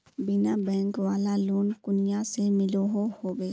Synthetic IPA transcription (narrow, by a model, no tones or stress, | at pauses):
bɪnabɛ̃ːŋkʋaːlaluːnkʊnɪjasemɪloɦohoːbeː